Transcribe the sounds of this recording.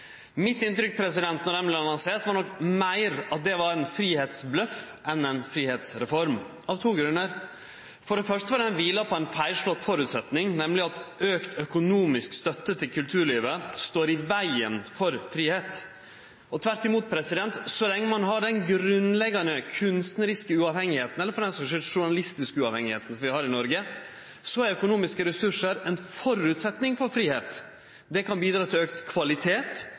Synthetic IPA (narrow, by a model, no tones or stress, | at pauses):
mɪt̪ːɪnt̪ɾʏk̚pʰɾɛsɪd̪ɛnt̪nɔɾdɛmblɛɑnɔŋseːɾt̪ʋɑɾɳɔkmæɪɾɑt̪̚d̪ɛʋɑɾɛɪnfɾiːheːt̪sblœf | ʔɛnɛɪnfɾiːheːt̪sɾɛfɔɾm | ɑʋt̪ʰuːɡɾʉnːəɾ | fɔɖɛfœʂʈ̪əʋɑɖɛnʋiːlɑpʰɔɛɪnfæɪlʂlɔt̪ːfɔɾʉːt̪sɛt̪nɪŋnɛmlɪɑt̪øːkt̪ʰœkʊnuːmɪskst̪œt̪ːət̪ʰɪlkʰʉlt̪ʰʉːɾɭiːʋəst̪oːɾɪʋæɪə̰nfɔɾfɾiːheːt̪ | ɔt̪ʰʋæɾʈ̪ɪmuːt̪̚pʰɾɛsɪd̪ɛnt̪sɔlɛŋːəmɑnɦɑɖɛnɡɾʉnlɛɡɑnəkʰʉnst̪nəɾɪskəʉɑʋhɛŋːɪheːt̪n̩ɛlːəɾfɔɾɖ̪ɛnsɔʂɛʂʊɳɑlɪst̪ɪskəʉɑːʋhɛŋɪheːt̪n̩sɔmʋɪhɑːɾɪnɔɾɡə | sɔæɾœkʊnuːmɪskəɾɛsʉʂəɾɛnfɔɾʉːt̪sɛt̪nɪŋfɔɾfɾiːheːt̪ | d̪ɛkʰɑnbiːd̪ɾɑːt̪ʰɪløːkt̪kʰʋɑlɪt̪ʰeːt̪